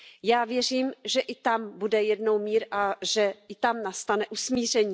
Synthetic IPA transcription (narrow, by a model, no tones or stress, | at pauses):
jaːvjɛr̝iːmʒɛʔɪt̪ambudɛjɛdno̞wmiːɾʔaʒɛɪt̪amnast̪anɛʔusmiːr̝ɛɲiː